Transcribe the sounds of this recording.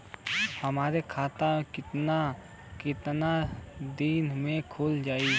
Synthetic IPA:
hɐmaːɾekʰaːt̪akɪt̪na | kɪt̪nad̪iːnmẽkʰʊld͡ʒaːi

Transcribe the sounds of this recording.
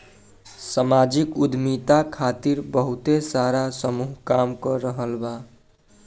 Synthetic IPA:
səmad͡ʒikud̪ʱmit̪akʰat̪iɾbəɦut̪esaɾasəmuɦkamkəɾəɦəlba

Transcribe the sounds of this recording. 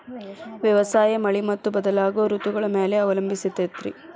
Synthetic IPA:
ʋjɐʋɐsaːjɐmɐɭimɐt̪ːubɐd̪ɐlaːɡoːɾut̪uɡɐɭɐmeːleɐʋɐlɐmbʱisit̪ːet̪ɾḭ

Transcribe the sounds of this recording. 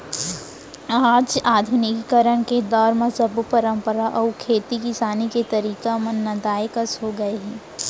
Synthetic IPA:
aːd͡ʒaːd̪ʱʊnɪkkɐɾəɳ̃ked̪ɔːɾmẽsɐbpɐɾə̃mpəɾaʔɔːkʰeːt̪ikisaːniket̪ɐɾiːkamɐ̃nːɐd̪aːjkəsɦoɡɐeɦiː

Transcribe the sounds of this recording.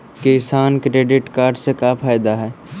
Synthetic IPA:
kesaːnkɾeːɖɪʈkaːɾɖsekapʰaːjd̪aɦɛː

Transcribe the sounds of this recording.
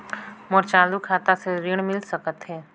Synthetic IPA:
mɔɾt͡ʃaːlukʰaːt̪aseɾɪɽ̃mɪlsəkət̪ɦɛː

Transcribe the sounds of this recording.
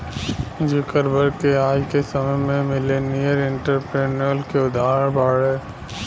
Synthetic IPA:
d͡ʒɪkəɾbəɾkeaːd͡ʒkesəməmẽmɪlenijəɾɪ̃ɳʈəɾpɾeːnəlkeʊd̪aːɾbaːɽeː

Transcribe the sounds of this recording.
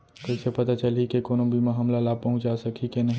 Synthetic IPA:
kəɪsepət̪at͡ʃəlikekonobʱimeɦəmlalab̚pəɦʊ̃t͡ʃd͡ʒasəkʰikenəɦĩ

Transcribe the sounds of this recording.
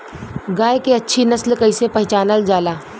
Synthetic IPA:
ɡaːekeɐtːʃʰinɐslkɐɪsepɐɦɪt͡ʃaːnəld͡ʒaːlaː

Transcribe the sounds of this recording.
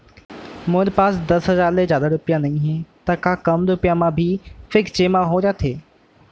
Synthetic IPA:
mʊ̃ɾpaːsd̪ɐsɦɐzaːɾlezjaːd̪aɾʊpijãnɐĩɦẽt̪ɐkaːkɐmɾʊpijãmãbʱɪfɪkt͡ɕeːmãɦõɾat̪ʰeː

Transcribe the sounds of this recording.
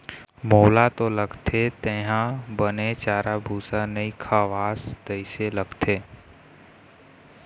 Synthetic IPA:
moːlat̪oləɡt̪ʰet̪ẽːɦãbənet͡ʃaːɾabʱuːsanəikʰaːʋaːsd̪əɪseləɡt̪ʰeː

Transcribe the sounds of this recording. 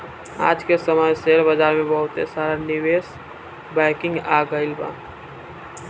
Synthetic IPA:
a̰ːd͡ʒkesəməjseɾbəd͡ʒaːɾmẽbəɦʊt̪ḛsaːɾanɪʋeːs | bɛɪkɪ̃ŋɡaːɡəɪlba̰ː

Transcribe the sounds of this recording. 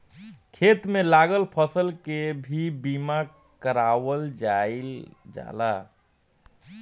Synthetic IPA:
kʰet̪mẽlaɡəlpʰəsəlkebʱibiːma | kəɾawəld͡ʒaɪld͡ʒa̰la̰

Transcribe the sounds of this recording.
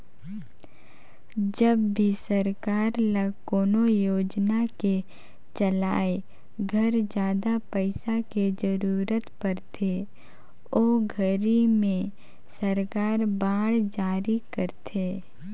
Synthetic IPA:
d͡ʒəbbʱisəɾkaːɾləkoːnojoːd͡ʒnake | t͡ʃɐlaːe | ɡʱəɾd͡ʒjaːd̪apəɪsaked͡ʒəɾuːɾət̪pəɾt̪ʰe | oːɡʱəɾimẽ | səɾkaːɾbaːɽd͡ʒaːɾikəɾt̪ʰeː

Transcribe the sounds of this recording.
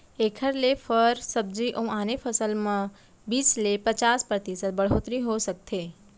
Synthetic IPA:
eːkʰəɾlefʰəɾsəb̚d͡ʒiʔə̃ũaːnepʰəsəlmã | biːslepət͡ʃaːspɾət̪isət̪̚bəɽ̤oːt̪ɾĩɦosək̚t̪ʰe

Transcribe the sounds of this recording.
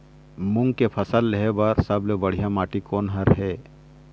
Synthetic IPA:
mʊ̃ŋɡkepʰɐsəlːeɦebəɾsəblebɐɽ̤ijamaːʈikoːnɦəɾɦɛː

